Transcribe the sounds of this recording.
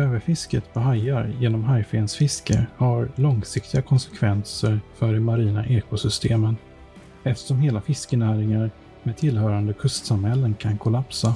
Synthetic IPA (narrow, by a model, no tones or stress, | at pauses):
øːvəɾfɪskət̪pʰɔɦajːaɾjeːnɔmɦajfensfɪskə̰ɾhaɾlɔŋsɪk̚t̪ɪɡakʰɔnsɛ̥kʰvɛnsəɾfœɖɛmaɾiːna̰ʔeːkʊsʏst̪ʰeːmən | ɛft̪əʂɔmheːlafɪskənæːɾɪŋaɾ | meːd̪̚t̪ʰɪlɦœːɾand̪əkʰɵst̪samhɛlːənkʰankʰʊlapsa